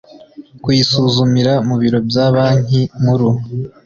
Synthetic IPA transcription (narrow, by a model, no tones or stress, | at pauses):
kwiisuːzumiɾamuβiɾo̞bjaːβaːn̥imuɾu